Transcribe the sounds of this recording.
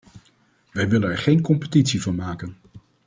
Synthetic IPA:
ʋɛjʋɪlənɛɹχejnkɔmpətitsivɑnmaːkən

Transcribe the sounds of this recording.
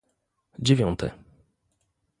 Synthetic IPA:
d͡ʑevʲjɔnt̪ʰɛ̰

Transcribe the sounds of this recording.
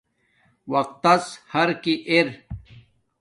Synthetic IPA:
wɐq̚t̪ɐshɐɾkiʔeɾ

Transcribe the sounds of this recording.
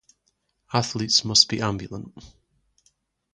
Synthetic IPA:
aθlˠitsmʌsb̥iʔãmbjəlˠə̃nʔ

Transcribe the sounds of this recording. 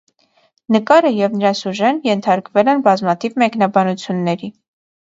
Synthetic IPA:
nəkɑɾəjɛvnəɾɑsuʒɛnjɛnt̪ʰɑɾkvɛlɛnbɑzmɑt̪ʰivmɛknɑbɑnut͡sʰjunːɛɾi

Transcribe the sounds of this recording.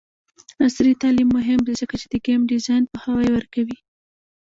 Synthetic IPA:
asɾit̪ɑlimːʊɦɪmd̪ezəkat͡ʃed̪əɡamɖɪzɑjnpəhawɑjewəɾkawi

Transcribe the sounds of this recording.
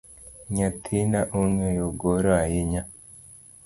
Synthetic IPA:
ɲatʰinaʔuŋejoɡoɾoajiɲa

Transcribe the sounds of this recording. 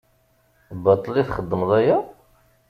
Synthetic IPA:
bɑt̪ˤːəliθχəd̪ːəmðˤæjæ

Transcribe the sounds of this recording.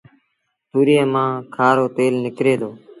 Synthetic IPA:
t̪uːɾiẽːmãːkʰaːɾoːt̪eːlnɪkɾeːd̪oː

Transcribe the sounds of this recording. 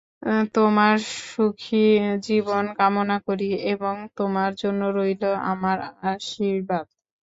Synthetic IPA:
t̪omaɾʃukʰid͡ʑibonkamonakoɾieboŋt̪omaɾd͡ʑonːoɾojloa̰maɾaʃiɾbad̪

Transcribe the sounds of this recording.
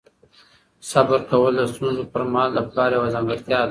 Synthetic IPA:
sabəɾkawəld̪əst̪unzopəɾmɑld̪əpkɑɾewazɑŋɡəɾt̪jɑd̪

